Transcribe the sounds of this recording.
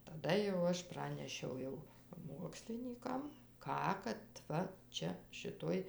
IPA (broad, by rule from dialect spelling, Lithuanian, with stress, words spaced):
tɐˈdɐ jɛʊ ˈɐʃ ˈprɑːnʲɛʃʲɛʊ jɛʊ ˈmuɔksʲlʲɪnʲiːkɐm ˈkɑː kɐt ˈʋɐ ˈt͡ʃʲɛ ʃʲɪˈtoːj